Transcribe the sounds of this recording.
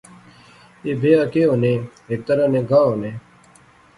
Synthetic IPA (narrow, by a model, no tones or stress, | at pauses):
eːbʱeːakeːoːnẽːɦek̚t̪əɾanẽːɡʱaːoːneː